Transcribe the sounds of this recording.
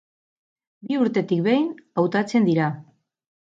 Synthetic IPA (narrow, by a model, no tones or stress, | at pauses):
biuɾt̪e̞t̪ik̚βejnawt̪at͡se̞nd̪iɾa